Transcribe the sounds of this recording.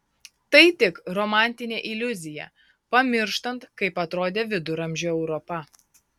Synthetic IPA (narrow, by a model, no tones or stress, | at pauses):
t̪ɐɪt̪ʲɪkɾɔmɑˑnʲt̪ʲɪnʲeːʔɪlʲʊzʲɪjɛ̰ | pɐmʲɪɾʃt̪ɐnt̪kɐɪpɐt̪ɾoːd̪ʲeːʋʲɪd̪ʊɾɐmʲʒʲoːɛʊɾɔpɐ